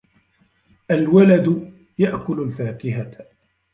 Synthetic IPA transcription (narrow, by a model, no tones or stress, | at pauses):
ʔalwalad̪ | jaʔkʊlʊlfaːkɪɦa